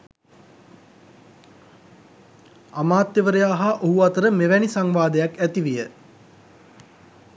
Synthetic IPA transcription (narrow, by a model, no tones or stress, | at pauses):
amaːt̪jəʋəɾəjaːɦaʔoɦuat̪əɾəmeʋɛnisaŋʋaːd̪əjakæt̪iʋijə